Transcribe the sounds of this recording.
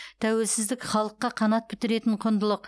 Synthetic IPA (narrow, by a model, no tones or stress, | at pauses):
t̪ʰæwe̞lsɪzd̪ɪkχɑlˠəqːɑqʰɑnɑt̪̚pʰɪt̪ɪɾe̞t̪ɪɴqʰond̪əlˠəq